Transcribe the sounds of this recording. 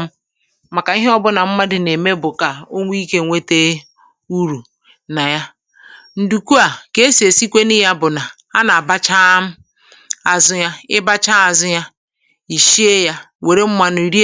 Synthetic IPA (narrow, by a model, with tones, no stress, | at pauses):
ma˨ka˨i˦ɦe˦ɔ˦bʊ˦na˨m̩˦ma˦dɪ˨ne˨me˦bʊ˨ka˨o˦ŋʷ˦i˦i˦ke˦˨ŋʷe˦te˦ | u˦ɾu˨ | na˨ja˦ | n̩˨du˨ku˦a˨ke˦e˦si˨e˨si˦kʷe˦ni˦ja˦bʊ˨na˨ | a˦na˨a˨ba˦t͡ʃa˦m̩˦ | a˨zʊ˦ja˦ɪ˦ba˦t͡ʃa˦a˨zʊ˦ja˦ | i˨ʃi˦e˦ja˦ | we˨ɾe˦m̩˦ma˦˨nʊ˨i˨ɾi˦